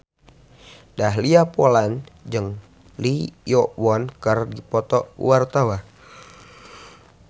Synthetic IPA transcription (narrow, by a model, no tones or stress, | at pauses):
daɦliapoland͡ʒɨŋ | lijɔwɔnkərdipɔt̪ɔwart̪awa